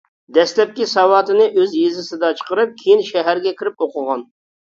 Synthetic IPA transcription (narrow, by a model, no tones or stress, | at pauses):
d̪ɛslɛp̚kʲisɑwɑːt̪ɨnɨʔøzjezɪsɪd̪ɑt͡ʃʰə̥qəɾɨp̚kʲʰejinʃɛɦæɾɡʲɛkʲʰiɾɪp̚oqʊʁɑn